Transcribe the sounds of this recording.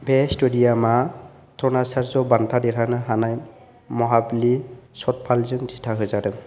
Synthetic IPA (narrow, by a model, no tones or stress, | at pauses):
bɛstudiama | t̪ɾɔnasaɾzɔbantʰadɛɾanɯɦanaj | mɔɦablisɔt̚pʰalzɯnzitʰaɦɯjzadɯ